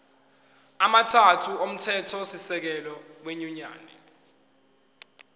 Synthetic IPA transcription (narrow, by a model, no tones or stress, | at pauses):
amatʰatʰuom̩tʰɛtʰɔsisɛk̬ɛlɔ | weɲuɲa̰ːnɛ